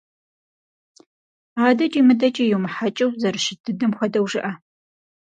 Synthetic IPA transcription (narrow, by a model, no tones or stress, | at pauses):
aːdɐt͡ʃʼimɨdɐt͡ʃʼɐjuwmɨħat͡ʃʼɪwzɐrɨʃɪdʰɨdɨmxʷɔdɐwʒɪʔɐ